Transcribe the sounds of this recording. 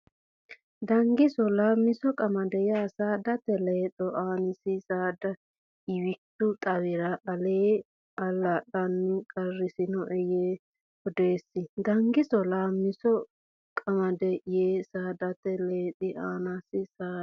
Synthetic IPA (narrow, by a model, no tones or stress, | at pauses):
d̪ɐŋɡɪsɔlaːmːɪsɔkʼɐmɐd̪ɛjaːsaːd̪ɐt̪ɛleːt̪ʼɔʔaːnɪsɪsaːd̪ɐ | ɪwɪtːʊt̪ʼɐwɪɾɐʔːleː | ʔɐlaɗɐnːɪkʼɐrːɪsɪnɔʔɛjeː | ɔd̪eːsːɪd̪ɐŋɡɪsɔlaːmːɪsɔ | kʼɐmɐd̪ɛjeːsaːd̪ɐt̪ɛleːt̪ʼɪʔaːnasɪsaː